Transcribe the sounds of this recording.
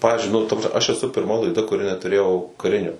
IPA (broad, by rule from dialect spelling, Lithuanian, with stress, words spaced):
ˈpɑːʋʲɪzʲd͡ʒʲʊɪ nʊ ɐʃ ɛˈsʊ pʲɪrˈmɐ lˠɐɪˈdɐ kʊˈrʲɪ nʲɛtʊˈrʲeːjɛʊ kɐˈrʲɪnʲoː